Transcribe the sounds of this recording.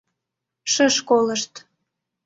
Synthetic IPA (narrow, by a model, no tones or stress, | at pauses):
ʃəʃkoləʃt̪